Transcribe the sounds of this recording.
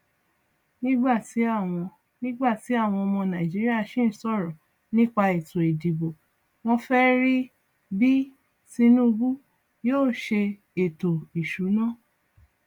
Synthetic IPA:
nĩ˦ɡ͡ba˦˨ti˨˦a˦˨w̃ɔ̃˧ | nĩ˦ɡ͡ba˦˨ti˨˦a˦˨w̃ɔ̃˧ɔ˧mɔ̃˧nã˨d͡ʒi˨˦ɾi˦a˦˨ʃĩ˦˨n̩˨˦sɔ˦˨ɾɔ̃˨ | nĩ˦k͡pa˧e˨to˨e˨di˨bo˨ | w̃ɔ̃˧fɛ˦ɾi˦ | bi˦ | ti˧nũ˦˧bu˦ | joː˦˨ʃe˧ | e˨to˨i˨ʃu˨˦nã˦˨

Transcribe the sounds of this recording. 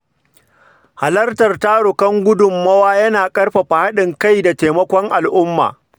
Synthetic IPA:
ha˨lɐ˦rtɐ˨rtaː˦ɽʊ˨kɐ˦ŋɡʷʊ˦dʊ˨mːɐ˦waː˦jɐ˦naː˨kʼɐ˦rɸa˨ɸa˨ha˦ɗɪ˨ŋka˦jda˨teː˨mɐ˦kʷɔ˦ŋʔa˨lʔʊ˦mːa̰ː˨

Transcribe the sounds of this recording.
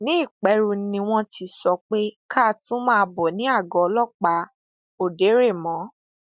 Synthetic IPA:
nĩ˦i˦˨k͡pɛ˨˦ɾu˧nĩ˧w̃ɔ̃˧ti˧sɔ˧k͡pe˦kʰa˦˨tũ˦mãː˦˧bɔ˨nĩ˨˦a˦˨ɡɔ˨˧lɔ˦˨k͡pa˧˦ | o˨de˨˦ɾe˦˨mɔ̃˨˦

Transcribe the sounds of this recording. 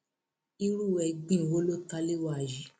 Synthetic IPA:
i˦ɾu˦˨wɛ˧ɡ͡bĩ˦˨wo˦lo˦ta˧le˦˨wa˦˨d͡ʒi˨˦

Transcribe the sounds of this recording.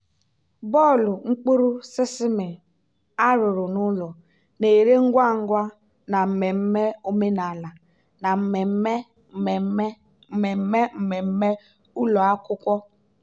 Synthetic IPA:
bɔ˦˨lʊ˨ŋ͡m̩˦k͡pu˦ɾu˦sɪ˦sɪ˦mɪ˨ | a˦ɾʊ˨ɾʊ˨nʊ˦lɔ˨ | ne˨ɾe˦ŋ̩˦ɡʷa˦ŋ̩˦ɡʷa˦ | na˨m̩˦˨me˨m̩˦me˦o˦me˦na˨la˨ | na˨m̩˦me˨˦e˦˨˦ | m̩˦me˦m̩˨me˨m̩˦me˦ | ʊ˦lɔ˨a˦kʷʊ˦kʷɔ˦

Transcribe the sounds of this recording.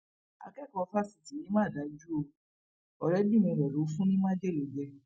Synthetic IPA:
a̰˨˧kɛ˦˨kɔ˧fa˦si˨ti˨˦nĩ˦mãː˦˨da˨˦d͡ʒu˦o˧ | ɔ˧ɾɛ˨˦dĩ˦˨mĩ˧ɾɛ˨ɾo˨˦fũ˦nĩ˦mã˦d͡ʒe˦˨lo˨˦d͡ʒɛ˧

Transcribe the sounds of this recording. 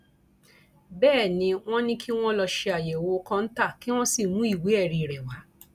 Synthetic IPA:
bɛː˦˨nĩ˧w̃ɔ̃˦nĩ˦kʰi˦w̃ɔ̃˦lɔ˧ʃe˧a˨je˨wo˧˦kã˧n̩˦ta˦˨ki˦w̃ɔ̃˦si˦˨mũ˨˦i˦˨wi˨˦ɛ˦˨ɾi˧˨ɾɛ˨wa˨˦

